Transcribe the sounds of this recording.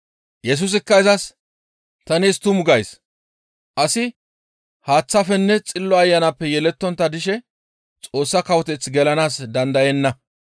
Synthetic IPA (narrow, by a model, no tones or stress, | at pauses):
jɛs̬ʊs̬ɪkːɐɪzɐs | t̪ɐniːst̪ʊmʊɡɐjs | ʔɐsɪ | haːt͡sːɐfɛnːɛt͡sʼɪlːɔɐjːɐnɐpːɛjɛlɛt̪ːɔnt̪ːɐd̪ɪʃɛ | t͡sʼo̞ːsːɐkɐwɔt̪ɛt͡sɡɛlɐnaːsd̪ɐnd̪ɐjɛnːɐ